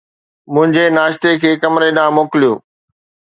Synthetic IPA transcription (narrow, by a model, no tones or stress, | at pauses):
mʊ̃ɦɪ̃ɲd͡ʑenaːʃt̪ekʰeːkɐmɾeɗãːmoːkɪlijoː